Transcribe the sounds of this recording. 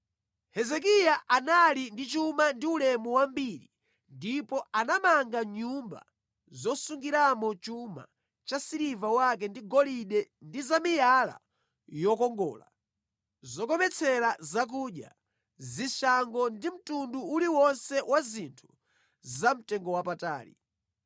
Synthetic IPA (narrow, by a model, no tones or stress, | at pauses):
hɛzɛk̬ijaʔanalindit͡ʃumandiulɛmɔwambiɾi | ndipɔanamaŋɡaɲumba̰ | zɔsuŋɡiɾamɔt͡ʃuma̰ | t͡ʃasiɾivawakɛndiɡɔliɗɛndizamijala̰ | jɔkɔŋɡɔ̰ːla̰ | zɔkɔmɛt͡sʰɛɾazak̬uɗja̰ | ziʃaŋɡɔndim̩tunduːliwɔnsɛwʔazintʰu̥ | zam̩tɛŋɡɔwapata̰ːɾḭ